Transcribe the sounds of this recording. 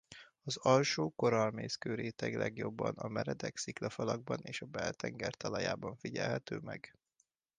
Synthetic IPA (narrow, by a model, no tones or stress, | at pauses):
ɒzɒlʃoːko̞ɾɒlmeːskøːɾeːt̪ɛɡlɛɡjo̞bːɒnɒmɛɾɛd̪ɛksiklɒfɒlɒɡ̚bɒneːʃɒbɛlt̪ɛŋɡɛrt̪ɒlɒjaːbɒɱfiɟɛlɦɛt̪øːmɛɡ